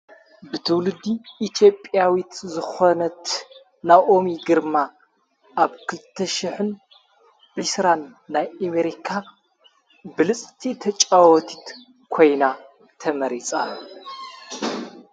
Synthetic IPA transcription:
bɨt̪ʰɨwlɨd̪iʔːt̪ʰjo̞pʼjawit̪zɨxonɐt̪ | naʔo̞miɡɨɾma | ʔaβkʰɨlɨt̪ʰːɐʃiħɨn | b̥ɨsɾanː | ajameɾikʰa | bɨlɨt͡sʼt̪ʰit̪ʰɐt͡ʃʼawɔt̪ʰit̪ | kʰo̞jna | t̪ʰɐmɐɾit͡sʼa

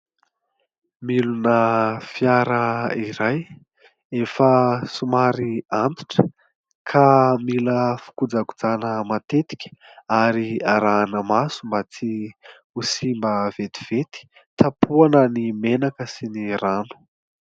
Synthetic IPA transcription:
milunəfjaɾəiɾaj | efəsumaɾiant̪i̥ʈ͡ʂə̥ | kʰamiləfu̥kud͡zaɡud͡zanəmat̪et̪i̥kʲə̥aɾiaɾaːnəmasumbat͡si | usimbəv̥et̪i̥v̥et̪i̥ | t̪ʰapʰuanənimenakəsiniranu̥

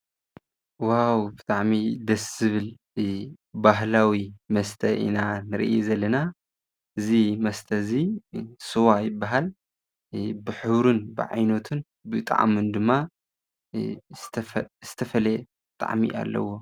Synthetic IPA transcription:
wawbɨt̪ʼaʕmid̪ɐszɨβɨl | baɦlawimɐst̪ʰɐʔḭnanɨɾɨ̰ʔjizɐlːɐna | ʔɨzimɐst̪ʰɐzisɨwajɪbːaɦal | bɨħɨβɾunbɨ̰ʕa̰jnot̪ʰɨn | bɨt̪ʼa̰ʕa̰mɨnd̪ɨmːa | t̪ʰz̥ɨt̪ʰɐfɐle | t̪ʼa̰ʕmḭʔa̰lːɐ̰wo

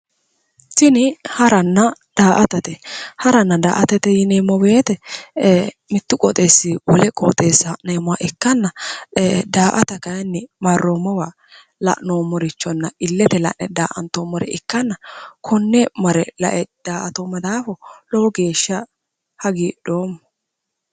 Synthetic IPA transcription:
sɪnɪhɐɾɐnːɐd̪̥aːʔɐt̪ɐt̪ɛhɐɾɐnːɐd̪a̰ːʔɐt̪ɐt̪ɛjɪneːmːɔbeːt̪ɛ | mɪt̪ːʊkʼɔt̪ʼe̞ːsːiwɔlɛkʼɔ̰t̪ʼe̞ːsːɐneːmɔwa̰ʔɪkːɐnːɐ | d̪aːʔɐt̪ɐkɐjnːɪmɐrːomɔwa | lɐ̰ʔnoːmɔɾɪt͡ʃːɔnːɐɪlːɛt̪ɛlɐ̰ʔnɛd̪a̰ːʔɐ̰nt̪omɔɾɛ̰ɪkːɐnːɐkʰɔnːɛmɐɾɛlɐ̰ʔɛd̪̥aːʔɐt̪omːɐd̪aːfɔlɔwɔɡe̞ːʃːɐ | hɐɡiːɗoːmːɔ

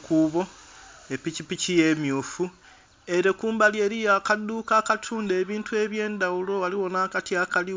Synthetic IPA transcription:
kuβo̞epicipicije̞mjuːfu | e̞ɾekuːmbalie̞ɾijaːkadːuːkaːkatʰuːnde̞ːβiːntue̞βje̞ːndawulo̞waliwo̞naːkatiakali

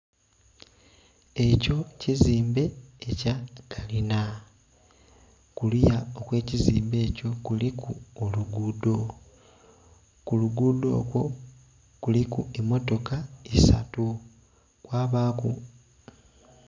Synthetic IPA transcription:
e̞co̞ciziːmbe̞ːcaɡ̥alina | kulijao̞kwe̞ːciziːmbe̞ːco̞kulikʰuoluɡuːdo̞ | kuluɡuːdo̞̰ːkwo̞ | kulikuemːo̞to̞kaisa̰tu | kwaːβaːkṵ

